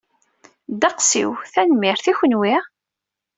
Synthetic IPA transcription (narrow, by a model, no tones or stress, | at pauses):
d̪ɑqsḭwθænmɪɾθiçənwi